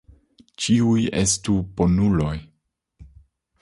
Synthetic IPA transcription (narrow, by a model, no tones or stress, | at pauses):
t͡ʃiuje̞stupo̞nulo̞j